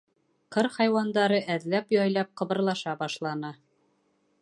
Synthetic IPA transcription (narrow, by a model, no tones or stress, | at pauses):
qɤɾχɑjwɑnd̪ɑɾɤʔæðlæpjɒjlˠɑp̚qɤ̆βɤ̆ɾlˠɑʃɑbɑʃlˠɑnɤ